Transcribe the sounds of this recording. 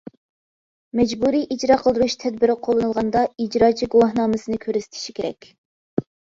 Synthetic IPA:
mɛd͡ʒbuɾijʔid͡ʒɾɑqʰəlˠd̪uɾuʃt̪ʰɛd̪̚bɪɾɪqʰolˠːɨnɨlˠʁɑnd̪ɑid͡ʒɾɑːt͡ʃʰiɡuwɑhnɑːmɨsɨnɨkʲʰøɾyzɪ̥t̪ʰɪ̥ʃi̥kʲʰeɾɛ̰kʲ

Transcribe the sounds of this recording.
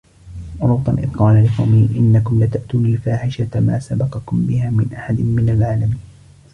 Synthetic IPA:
ɾˤʊbt̪ˤɑnʔɪ̰ðqɑːlalɪqɑ̰wmɪhʔɪnːakʊmlat̪aʔt̪uːnɪlfaːħɪʃat̪maːsabɑqɑkʊmbɪhaːmɪnʔaħad̪ɪnmɪnalʕaːlamiːn

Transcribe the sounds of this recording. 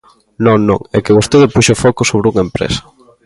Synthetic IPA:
nõŋnõ̰ŋɛkeɣust̪eðɪpuʃʊfɔkʊsoβɾɪuŋɐempɾɛ̰sɐ̥

